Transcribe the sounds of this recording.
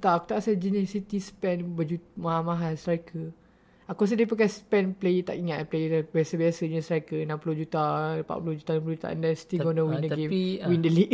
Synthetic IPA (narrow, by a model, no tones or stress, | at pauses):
t̪aʔku̥t̪aʔsad͡ʒinisit̪ispɛnbəd͡ʒumaɦamaɦanst̪ɾakʰə | akɔs̬ədepəkaspɛnplejt̪a̰ʔiŋat̪plejbasəbiasəɲə̃st̪ɾakənãmpulod͡ʒut̪aəpa̰ʔpulud͡ʒut̪anãmp̬ulud͡ʒut̪a̰ʔə̰ndɛnsi̥t̪iɡɔnəwĩndəɡemwindəliʔ